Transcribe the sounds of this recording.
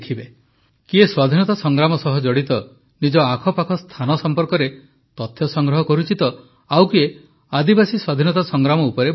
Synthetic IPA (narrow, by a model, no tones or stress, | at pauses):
kʰibe | kieswad̪ʱinɔt̪asɔŋɡɾamɔsɔɦɔd͡ʒɔɽit̪ɔ | nid͡ʒɔakʰɔpakʰɔst̪ʰanɔsɔmpɔɾkɔɾe | t̪ɔt̪ʰːjɔsɔŋɡɾɔɦɔkɔɾut͡ʃit̪ɔ | awkie | ad̪ibasiswad̪ʱinɔt̪asɔŋɡɾamɔupɔɾeb